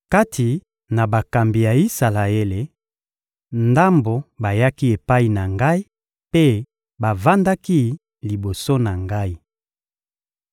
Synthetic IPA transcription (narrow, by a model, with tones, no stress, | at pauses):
ka˦tʰi˨ | na˨ba˨ka˨mbi˨ja˨i˦sa˨la˨e˦le˨ | nda˦mbo˨ba˨ja˦ki˦e˨pa˦i˨na˨ŋɡa˦i˦ | pe˦ | ba˨va˦nda˦ki˦ | li˨bo˨so˦na˨ŋɡa˦i˦